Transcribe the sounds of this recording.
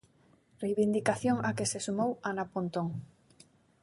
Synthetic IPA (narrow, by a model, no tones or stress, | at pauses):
rejβind̪ikaθjoŋakesesumowanapont̪oŋ